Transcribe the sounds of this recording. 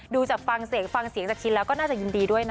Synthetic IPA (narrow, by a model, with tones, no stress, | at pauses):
ɗuː˧t͡ɕa˨˩p̚fa˧˩ŋsi˨˦əŋfa˧ŋsi˨˩˦ŋt͡ɕa˨˩t͡ɕʰi˧˦laː˨˦kɔː˧˥naː˥˩a˨˩i˨˩ŋt̪i˨˩ɗu˥˩əjna˧